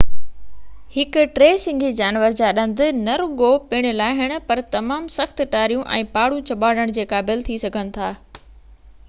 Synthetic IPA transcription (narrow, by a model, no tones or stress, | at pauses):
hɪkʊʈɾeːsɪ̃ŋɡʱid͡ʑaːnʋəɾd͡ʑaːɗɐ̃nd̪ʱɪ̆nɐɾʊɡopɪɽ̃ɪlaːɦɪɽ̃ʊ̆pɐɾt̪ɐmaːmsɐxt̪ʈaːɾijũʔɛ̰̃ːpaːɽũt͡ɕɐɓaːɽəɽ̃d͡ʑeːkaːbɪlt̪ʰisɐɡʱənɪ̆t̪ʰaː